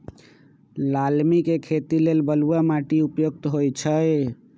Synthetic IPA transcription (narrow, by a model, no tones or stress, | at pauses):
lalmikekʰet̪ilelbəluamaʈiupjoɡ̚t̪ɦojt͡ʃʰəj